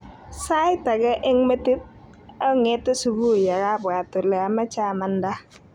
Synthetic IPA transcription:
sa˦jta˨ɡɛ˦ʔɪ˦ŋme˦ti˦t̚ | ɔ˦ŋe˦tɪ˦su˨bu˦˨ja˨ɾa˦ba˨tu˨lɛ˨a˨ma˦t͡ʃa˦˨ma˨nda˦

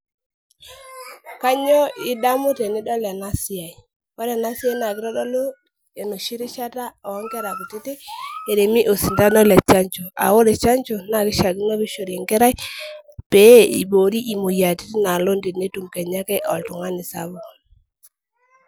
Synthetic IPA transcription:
ka˦ɲɔ˦i˦da˦mu˦te˨ni˦dɔ˦lɛ˨na˦si˦a˨i˨ | wa˦ɾɛ˨na˦si˦a˦na˨kɪ˦ɾɔ˦dɔ˦lo˦ | e˨no˨ʃi˦ɾi˦ʃa˦ta˦ɔ˨˦ŋkɛ˦ɾa˨ku˨ti˦te˦e˨ɾe˨mi˦ʔo˨si˨nda˦nɔ˦lɛ˨t͡ʃa˦ɲt͡ʃo˨a̰˨wo˦ɾe˨t͡ʃa˦nt͡ʃo˨na˨kɪ˦ʃa˨ɡi˦nɔ˦βi˦ʃo˨ɾe˨ŋkɛ˦ɾa˦i˦pe˨˦ḭ˨bo˨ɾi˦ʔi˨mo˨ja˨ti˦ti˦na˨lo˦nde˨ne˦tu˨mkɛ˨ɲa˦kɛ˦ʔɔ˨ltu˨ŋa˦nɪ˨sa̰˦bo˨

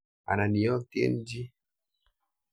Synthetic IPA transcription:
a̰˨na˨ni˨jɔ˦ti˦ḛ˦n˦d͡ʒi˦

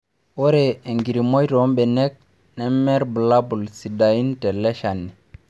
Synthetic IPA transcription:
o˦ɾe˨e˨ŋɡi˨ɾi˨mo˦jto˦mɓe˨ne˦k̚ | ne˦mːe˦ɾbu˨la˦bu˨lsi˨da˨ji˦nte˨le˦ʃa˨nːi˨

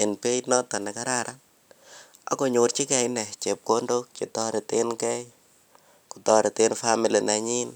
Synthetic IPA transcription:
ɪ˨npe˦tnɔ˦ta˨nɛ˨ka˦ɾa˦ɾʔa˦n | a̰˨˦ko˨ɲo˨ɾt͡ʃi˦kɛ˨ɪnɛ˨t͡ʃe˨p̚ko˦ndo˦k̚t͡ʃi˨tɔ˦ɾɪ˨tɪ˦nkɛ˦j | ku˨tɔ˦ɾɪ˨tɪ˦nfami˨li˨na˨ɲi˦n

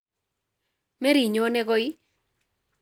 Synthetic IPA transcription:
mɛ˦ɾi˨ɲo˦nɛ˦ɡɔ˦ɪ˦

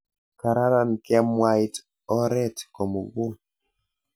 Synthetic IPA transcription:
ka˨ɾa˦ɾa˨nkɛ˦mwa˦jt | ɔ˦ɾɛ˦tkɔ˨mo˨ɡu˦l

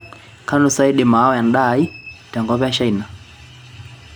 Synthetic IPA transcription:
ka˦nu˨sa˦i˦ɗɛ˨ma˨˦ɔ˦ja˨nɗa˦i˦ta˨ŋɡɔ˦βɛ˦a˦ʃa˦ina˨

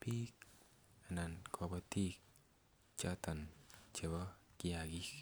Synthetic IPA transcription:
pi˦k̚ | a˨na˨nkʰɔ˧bɔ˦˧t̪i˦k̚ | t͡ʃa˦t̪ɔ˨nt͡ʃe˨bɔ˦kɪ˦a˨ɡi˦k

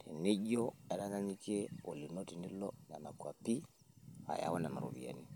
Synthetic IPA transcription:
tʰe˨ne˦ɟɔ˦ɛ˦ɾa˦ŋa˦ɲi˦ke˦o˨li˨no˦ti˨ni˦lɔ˦na˨ma˨kwa˨pi˦ | a̰˨ja̰˨˦wɔ˦na˨ma̰˨ɾo̰˨βḭ˨a̰˨ni˦

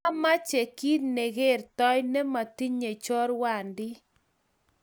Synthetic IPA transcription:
a˦ma˦t͡ʃe˨ki˦dne˨ɣe˦˨rtɔ˦jnɛ˦ma˨t̪i˦ɲe˨t͡ʃɔ˦ɾwa˨ndɪ˦

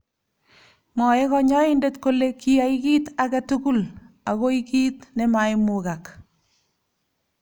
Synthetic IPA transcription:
mɔ˨e˦ɣɔ˦ɲɔ˦ɪnde˦tko˦leki˦a˨iki˦ta˨ɣɛ˦tuku˦l | a˨ɣo˦ikiː˦tne˦ma˨ɪmʊ˨ɣa˨k

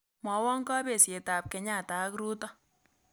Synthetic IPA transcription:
mɔ˨˦wɔ˦ŋkɔ˦pe˨sje˨ta˨p̚kɛ˨ɲa˦˨ta˨˦kɾu˦tɔ˦

